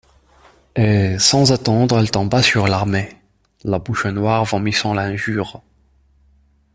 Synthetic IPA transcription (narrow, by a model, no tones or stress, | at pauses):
esɑ̃zat̪ɑ̃d̪ʁɛlt̪ɑ̃basyʁlaʁme | labuʃnwaʁvɑ̃misɑ̃lɛ̃ʒyːʁ